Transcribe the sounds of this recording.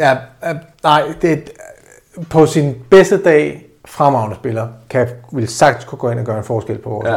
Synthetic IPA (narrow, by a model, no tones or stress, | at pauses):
jænɑ̈ɪ̰d̥e̝ | pʰɒ̽sinb̥esd̥əd̥ɛ̰ː | fʁamɑ̈ʊnəsb̥e̝lɐkʰæʋe̝lsɑ̈ɡ̥d̥ə̥skʰuɡ̥ɔ̽ːe̝nɒ̽ɡ̥ɶɐe̝nfɒːsɡ̥el̰pʰɒʋɒːs